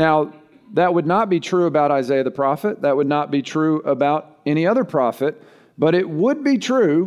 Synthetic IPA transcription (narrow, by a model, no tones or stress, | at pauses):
naʊ | ðɨt̚wədⁿnət̚b̥itʰɹ̥ʉəbaʊɾaɪzeɪɨðɨpʰɹ̥ɑfɨt̪̚ðɨt̚wədⁿnət̚b̥itʰɹ̥ʉəbaʊɾ | ɛñiʌðə˞pʰɹ̥ɑfɨt̚ | b̥ʌɾɪt̚wəd̚bitʰɹ̥ʉ